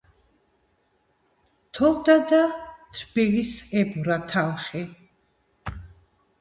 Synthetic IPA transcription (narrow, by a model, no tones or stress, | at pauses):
t̪ʰɔld̪ad̪atbilisɛbuɾat̪ʰalχi